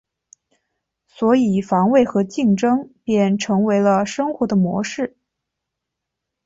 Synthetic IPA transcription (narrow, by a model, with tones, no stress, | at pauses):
swɔ˧˥i˨˩fɑ˧˥ŋwe˥˩ɪxɤ˧˥t͡ɕi˥˩ŋʈ͡ʂɤ˥ŋpjɛ˥˩nʈ͡ʂʰɤ˧˥ŋwe˧˥ɪlə˧ʂɤ˥ŋxwɔ˧˥d̪ə˧mwɔ̰˧˥ʂɻ̩˥˩